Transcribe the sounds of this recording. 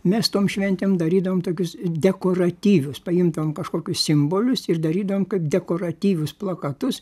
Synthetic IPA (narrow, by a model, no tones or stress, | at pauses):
mʲɛst̪oːmʃʲʋʲɛnʲt̪ʲɛmd̪ɐɾʲiːd̪ɐʋoːmt̪oːkʲʊsd̪ʲɛkoːrɐt̪ʲiːʋʲʊspɐɪmd̪ɐʋoːmkɐʃkoːkʲʊssʲɪmboːlʲʊsɪrd̪ɐɾʲiːd̪ɐʋoːmkɐɪpd̪ʲɛkoːɾɐt̪ʲiːʋʲʊsplˠɐkɐt̪ʊs